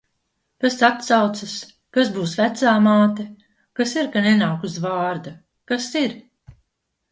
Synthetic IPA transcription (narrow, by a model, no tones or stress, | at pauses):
kasat̪sawt̪sɐs | kasbuːsvæt̪saːmaːt̪e | kasiɾkanɛnawkusvaːɾd̪a | kasiɾ